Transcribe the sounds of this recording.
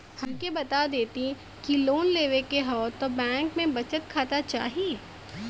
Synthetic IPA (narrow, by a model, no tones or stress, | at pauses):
hɐmkebɐt̪ad̪eːt̪i | kiloːnleːʋekeɦoːt̪obɛ̃ːŋkmẽbɐt͡ʃət̪kʰaːt̪at͡ʃa̰ːɦieː